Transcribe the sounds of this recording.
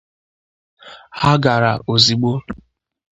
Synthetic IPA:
ha˦ɡa˨ɾa̰˨ʔo˨zi˨ɡ͡bo˦

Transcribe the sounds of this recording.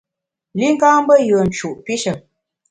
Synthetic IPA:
li˦ŋ̩˦ɡaː˦m˦bə˦jə˨n̩˨t͡ʃu˨ʔpi˦ʃə˨

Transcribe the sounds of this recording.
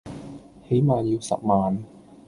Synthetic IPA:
he˨˥jmaː˨jiː˧wsɐ̰˨p̚maː˨n

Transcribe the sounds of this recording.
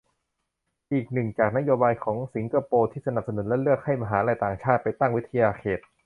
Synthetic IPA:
ʔiː˨˩k̚nɯ˨˩ŋt͡ɕaː˨˩k̚na˦˥joː˧baː˧jkʰɔː˩˦ŋsi˩˦ŋka˧poː˧t̪ʰiː˥˩sa˧na˨˩p̚sa˧nu˩˦nlɛ˦˥lɯ˥˩ək̚ha˥˩jma˧ɦaː˩˦laː˧jt̪aː˨˩ŋt͡ɕʰaː˥˩t̪̚pa˧jt̪a˥˩ŋwi˦˥t̪ʰːa˧jaː˧kʰeː˨˩t̪̚

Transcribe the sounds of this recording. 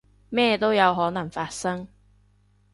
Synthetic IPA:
mɛː˥˧t̪o˥wjɐ˨˧wɦɔː˨˥nɐ˨˩ŋfaː˧t̚sɐ˥ŋ

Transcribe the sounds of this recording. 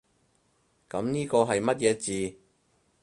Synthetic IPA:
kɐ˨˧˥mniː˥kɔː˧ɦɐ˨jmɐ˥t̚jɛː˨˧t͡siː˨

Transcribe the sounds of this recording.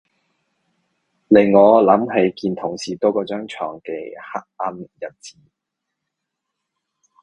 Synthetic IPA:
lɪ˨˩ŋːɔː˨˧lɐ˨˥mɦe˨˥jkiː˧nt̪ʰʊ˨˩ŋsiː˨˩t̪ɔː˥kɔː˧t͡ʃœː˥ŋt͡ʃʰɔː˨˩ŋkɛ̰˧ha˦˥k̚ɐ˥njɐ˨˩t̚t͡siː˨˥

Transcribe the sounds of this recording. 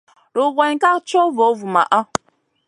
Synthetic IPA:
ɾo˨ɣʷe˨ɲ˦ka˦kt͡ʃo˦vo˨˦vu˨ma̰˨ʔɔ˦

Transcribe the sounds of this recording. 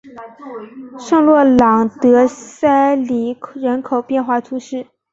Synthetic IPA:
ʂɤ˥˧ŋlwɔ˥˩lɑ˨˩ŋt̪ɤ˧˥sa˥ɪli˨˩ɻə˧˥nkʰo˨˩ʊpjɛ˥˧nxwa˥˩t̪ʰu˧˥ʂɻ̩˥˩

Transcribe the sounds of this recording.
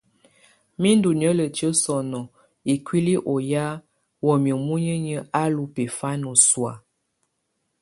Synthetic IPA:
mi˦ndu˨n˨ə˦lə˨t͡ʃə˦sɔ˨nɔ˨ | i˨kwi˦li˦ʔo˨ja˦ | wɔ˨mjə˨mu˦ɲə˦ɲə˦a˦lu˨pe˨fa˦no˨swa˨

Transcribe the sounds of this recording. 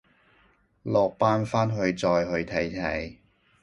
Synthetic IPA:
lɔː˨˧k̚paː˥nfaː˥nɦɵ˧ɥt͡sɔː˧jɦɵ˧ɥt̪ʰɐ˨˥jt̪ʰɐ˨˥j

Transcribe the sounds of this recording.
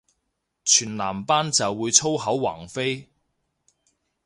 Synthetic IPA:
t͡ʃʰyː˨˩nlaː˨˩mpaː˥nt͡sɐ˨wːuː˨˧jt͡sʰo˥wɦɐ˨˥wwa̰ː˨˩ŋfe˥j

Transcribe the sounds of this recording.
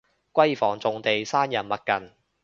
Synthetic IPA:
kʷɐ˥jfɔː˨˩ŋt͡sʊ˨ŋt̪e˨jsaː˥njɐ˨˩nmɐ˨t̚kɐ˨n

